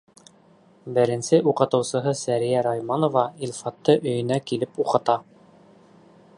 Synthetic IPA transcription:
bɘ̆ɾɘ̆nsɘʔuqɤ̆t̪ɤ̆wsɤ̆ɦɤsæɾijæɾɑjmɑnŏvɑilʲˠfɑt̪ːɤʔɵ̆jɵ̆nækilɘpuqɤ̆t̪ɑ

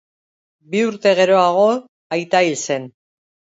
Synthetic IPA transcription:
biuɾt̪e̞ɣe̞ɾo̞aɣ̞o̞ | ajt̪ailse̞n

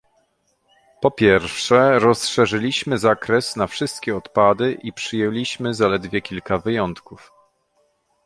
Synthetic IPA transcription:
pɔpʲjɛɾfʂɛɾɔsʂɛʐɘlʲiɕmɘzakɾɛsnafʂɘst̪̚kʲɛɔt̪pad̪ɘʔipʂɘjɛlʲiɕmɘzalɛd̪vʲjɛkʲilkavɘjɔnt̪kuf

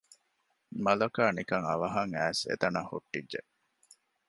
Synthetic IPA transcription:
mɐlɐkaːnikɐŋɐ̰ʋɐɦɐŋæːsḛt̪ɐnahṵʈːidʒe

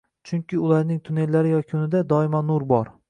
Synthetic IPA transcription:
t͡ʃʰʊŋkʲɪʊlˠaɾnɪŋt̪ʰʊne̞lːaɾɪjɒkʲʰʊnɪd̪ad̪ɒɪmanʊɾbɒɾ

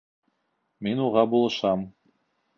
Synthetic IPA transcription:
minuʁɑbulˠɤ̆ʃɑm

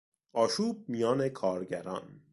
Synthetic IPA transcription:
ɒːʃuːb̚mijɒːne̞kʰɒːɾɟæɾɒ̰ːn

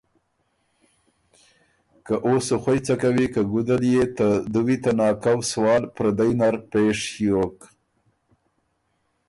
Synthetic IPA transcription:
kaʔosoxwajt͡sakawikaɡud̪aljet̪əd̪uwit̪anɑkawswɑːlpɾad̪ajnaɾpeʂjok

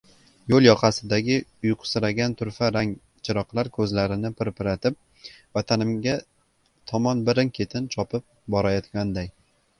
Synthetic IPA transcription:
jolˠjɒqʰɑsɪd̪aɡʲɪʊjqʰʊ̥sɪɾaɡʲant̪ʰʊɾfaɾaŋ | t͡ʃʰɪɾɒqlˠaɾkʰɵzlaɾɪnɪpɪɾpɪɾat̪ʰɪp̚ | vat̪ʰanɪmɡʲa | t̪ʰɒmɒnbɪɾɪnkʲʰe̞t̪ʰɪnt͡ʃʰɒpʰɪp̚bɒɾajɒt̪ɡʲand̪aj

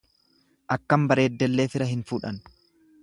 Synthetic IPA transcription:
ʔɐkːɐmbɐɾe̞ːd̪ːɛlːe̞ːfɪɾɐɦɪnfuːᶑɐn

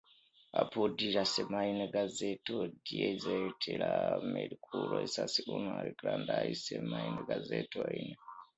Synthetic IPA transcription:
apodiɾasɛmainɛɡazetodijeid͡zaetʰeɺamelikʰuɾoisasiunoaɾiɡ̥ɾandaisɛmainɛɡazetʰoainɛ

